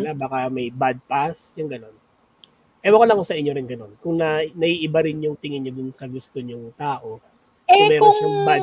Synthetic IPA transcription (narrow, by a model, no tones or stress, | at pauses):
abaːkɐmɐjbad̪̚pasjʊŋɡɐno̞n | ʔɛwɐkolɐŋkʊsɐʔɪɲːo̞ɾɪnɡɐno̞nkʊŋnɐnɐʔiʔɪbaɾɪnjʊŋt̪ɪŋɪnod̪ʊnsɐɡʊst̪oɲʊŋt̪aːʔo̞ | ɐmɛːɾoʃɐŋbad̪